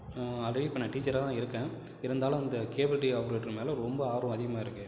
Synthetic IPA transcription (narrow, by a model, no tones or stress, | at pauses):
ɐlːɐɽipɐɳːɐʈiːt͡ʃːɐɾat̪ãːɪɾɯkːɛ̃ː | ɪɾɐnd̪aːlɐ̃ɪnd̪ɐkeːbɐlʈiaːpɐɾeːʈːɪlmeːlɐ̃ɾɔmbɐaːɾʋɐ̃ɐðɪɣɐmaːɪɾɯkːɯ